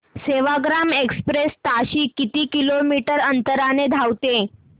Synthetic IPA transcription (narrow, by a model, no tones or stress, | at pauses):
seʋaɡɾamekspɾest̪aɕiːkit̪iːkilomiʈəɾənt̪əɾaned̪ʱawt̪e